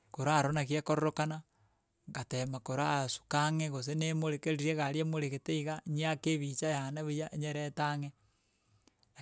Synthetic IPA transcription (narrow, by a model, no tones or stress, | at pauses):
koɾaɾonakjekoɾoɾokana | ɡatemakoɾasu̥kaŋeɣos̬enemoɾekeɾiɾeɣaɾiemoɾeɣeteiɣaɲiakeβit͡ʃajanaβijaʔeɲeɾɛtaŋe